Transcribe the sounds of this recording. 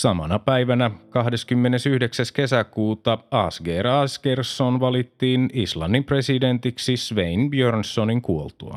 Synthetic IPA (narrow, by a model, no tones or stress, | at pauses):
sɑmɑ̰nɑpæiʋænækɑɦde̞skymːene̞syhde̞ksæske̞sækuːt̪ɑɑsɡeːrɑsɡ̥ersːonʋɑlit̪ːiːnislɑnːimpreside̞nt̪iksisʋeinbjørnsːoniŋkuolt̪uɑ̰